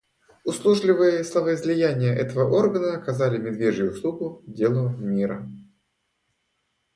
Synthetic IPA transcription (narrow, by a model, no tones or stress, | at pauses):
ʊslˠuʐlʲɪvɨjəslˠəvəɪzʲlʲɪjænʲɪjəʔɛt̪əvəʔo̞rɡənəɐkɐzalʲɪmʲɪd̪vʲeʐjʊʊslˠuɡʊdʲe̞lˠʊmʲiɾə